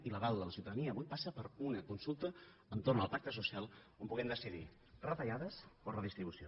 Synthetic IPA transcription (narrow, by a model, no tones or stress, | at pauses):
iləɣalˠd̪ələsiuwt̪əðəniəːβujpasəpəɾunəkunsulˠt̪ə | ənt̪ornəlˠpak̚t̪əs̬usialˠ | ompuɣɛmd̪əsiðḭ | rət̪əʎaðəsporəðist̪ɾiβusio